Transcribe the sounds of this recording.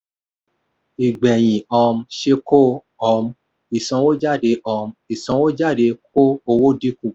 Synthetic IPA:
i˨ɡ͡bɛ˨j̃ĩ˨ɔ˧m̩˧˦ʃe˧ko˦ | ɔ˧m˧˦ | i˨sɔ̃˧˦wo˦d͡ʒa˦˨de˧ʔɔ˧m̩˧˦i˨sɔ̃˧˦wo˦d͡ʒa˦˨de˧k̚ʰo˦o˧wo˦di˦ku˦˨

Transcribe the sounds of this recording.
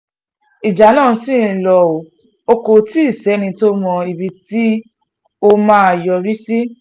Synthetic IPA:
i˨d͡ʒa˨˦lã˦˨ũ˧sĩ˦˨˧lɔ˧˨o˨ | o˧ko˧ti˦i˦˨sɛ˨˦nĩ˧to˦mɔ̃˧i˨bi˧ti˦ | o˦mãː˦˨jɔ˧ɾi˦si˦

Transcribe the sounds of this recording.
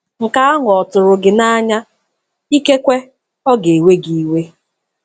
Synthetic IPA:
ŋ̩˨ka˦a˦ŋ˨ɔ˨tʊ˨ɾʊ˨ɡɪ˨na˦ɲa˦ | i˦ke˦kʷe˦ | ɔ˦ɡe˨e˨we˦ɡi˨˦we˦

